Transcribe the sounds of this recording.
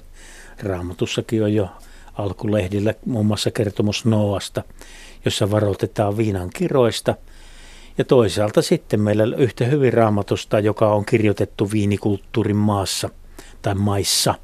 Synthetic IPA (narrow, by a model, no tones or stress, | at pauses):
rɑːmɑt̪usːɑkiojjo | ɑlkulehdilːæmuːmːuɑsːɑkert̪omusnoːɑst̪ɑ | josːɑʋɑrot̪et̪ɑːʋʋiːnɑŋkiroist̪ɑ | jɑt̪oˑisɑːlt̪ɑsit̪ːemmeilːæolʲyht̪æhyʋirɑumɑt̪ust̪ɑjokɑoŋkirjot̪et̪ːuʋiːnikult̪ːuːrimmɑːsːɑ | t̪ɑimmɑisːɑ